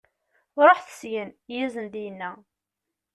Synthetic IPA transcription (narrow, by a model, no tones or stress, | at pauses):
ɾˤoħθə̥sʝənjizənd̪ijənːæ